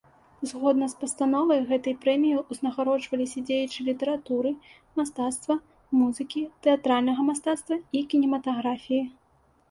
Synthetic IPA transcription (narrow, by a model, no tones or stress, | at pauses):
zɣɔd̪nɐspɐst̪anɔvɐjɣɛt̪ɐjpɾɛmʲijiuznɐɣaɾɔt͡ʂvɐlʲisʲɐd͡zʲejɛt͡ʂɨlʲit̪ɛɾat̪uɾɨ | mast̪at̪st̪vɐ | muzɨkʲit̪ɛat̪ɾalʲnɐɣɐmast̪at̪st̪vɐikʲinʲɛmɐt̪aɣɾafʲiji